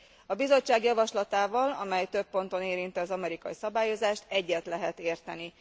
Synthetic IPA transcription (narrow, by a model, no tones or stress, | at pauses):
ɒbizo̞t͡ʃːaːɡjɒvɒʃlɒt̪aːvɒlɒ̰mɛjt̪ø̞pːo̞nt̪o̞neːɾint̪ɛɒzɒmɛɾikɒjisɒbaːjo̞zaːʃt̪ɛɟːɛt̪lɛɦɛt̪eːrt̪ɛni